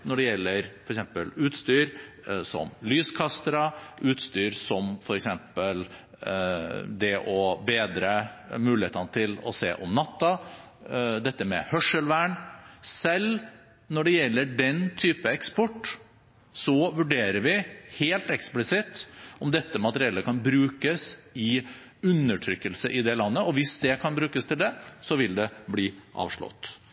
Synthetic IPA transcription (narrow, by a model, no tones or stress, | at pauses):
nɔɖɛjɛlːəɾfɔɾɛksɛmpəlʉːt̪st̪yːɾ | sɔ̰mlyːskʰɑst̪ɾɑʔʉːt̪st̪yːɾsɔmfɔɾɛksɛmpəl | d̪ɛʔɔbeːd̪ɾəmʉːlɪheːt̪ɑnət̪ʰɪlɔ̰sḛːʔɔmnɑt̪ːɑ | d̪ɛt̪ːəmɛ̰hœʂəlʋæːɳsɛl | nɔɖɛjɛlːəɖɛnt̪ʰyːpəɛkspɔʈː | sɔʋʉɖeːɾəɾʋɪheːlt̪ɛksplɪsɪt̪ːɔmd̪ɛt̪ːəmɑt̪əɾɪɛlːəkʰɑnbɾʉːkəsɪ | ʉnːəʈʰɾʏkːəlsəʔɪd̪ɛlɑnːəɔʋɪsd̪ɛkʰɑnbɾʉːkəst̪ʰɪld̪ɛsɔʋɪld̪ɛbliːʔɑ̰ːʋʂɭɔ̰t̪ː